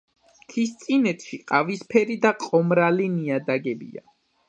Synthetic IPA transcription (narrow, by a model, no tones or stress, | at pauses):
kʰist̪sʼinɛt̪ʰʃiqʼavispʰɛɾid̪aqʼɔmɾaliniad̪aɡɛbḭa̰